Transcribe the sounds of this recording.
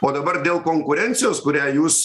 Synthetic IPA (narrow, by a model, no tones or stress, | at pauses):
oːd̪ɐbɐrd̪ʲeːlˠkoːŋkʊɾʲɛnʲt̪sʲɪjoːskʊɾʲæːjuːs